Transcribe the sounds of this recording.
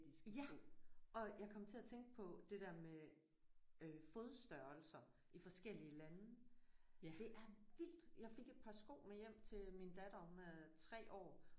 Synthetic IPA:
d̥isɡ̥jæʔɒ̽jɑ̈ɪkʰɒ̽m̰t͡sʰe̝æt͡sʰeŋɡ̥əpʰɒ̽d̥e̝d̥æɐme | øfo̝ðˠsd̥ɶɐl̩sɐ | ifɒ̽sɡ̥el̰iəlænə | d̥e̝ʔæɐʋil̰d̥jɑ̈ɪfe̝ɡ̥e̝d̥̚pʰɑ̈sɡ̥o̰ːmejem̰t͡sʰe̝minəd̥æɾ̥ɐɒ̽mət͡sʰʁɛ̰ːʔɒ̰ː

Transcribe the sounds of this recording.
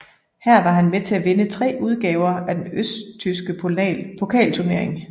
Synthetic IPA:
hæɐ̰ʋɑ̈ɦænmet͡sʰe̝æʋe̝nət͡sʰʁɛ̰ːuð̞ˠɡ̥ɛːʊɐæd̥enøst͡sʰysɡ̥əpʰoɛpʰo̝kʰɛ̰ːlt͡sʰuɐne̝ɐ̰e̝ŋ

